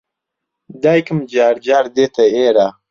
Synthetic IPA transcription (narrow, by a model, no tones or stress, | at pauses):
d̪aːjkəmd͡ʒaːɾd͡ʒaːɾd̪et̪aeːɾa